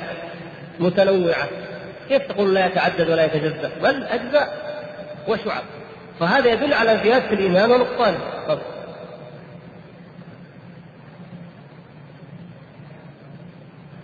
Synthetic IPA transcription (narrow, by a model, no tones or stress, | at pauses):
mʊt̪anawːɪʕa̰ | keːft̪aɑquːllajat̪aʕad̪ːad̪walajat̪ad͡ʒazːaʔbalːʔad͡ʒzaʔ | wɪʃʊʕa̰b̚ | faɦaːðajad̪ʊlːʕalazɪjaːd̪alʔiːmaːnwalɑqt̪ˤːɑːnɪfɑb